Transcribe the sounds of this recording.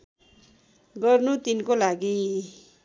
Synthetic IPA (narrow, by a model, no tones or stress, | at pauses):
ɡʌrnut̪inkolaɡi